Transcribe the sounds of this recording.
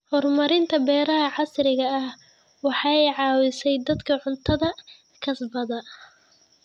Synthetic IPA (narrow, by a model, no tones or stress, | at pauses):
hɔrmɐɾɪnt̪ʰɐbɛːɾɐɦɐʕɑsɾɪɣɐɐh | wɑħɑɛjʕɑːwɪsɛjd̪ɐd̪kʰɐʕʊnt̪ʰɐðɐ | kʰɐsbɐðɐ